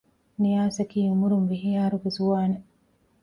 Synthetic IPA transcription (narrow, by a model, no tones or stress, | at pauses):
nijaːsɐkiːumuɾunʋiɦijaːɾuɡezuʋaːne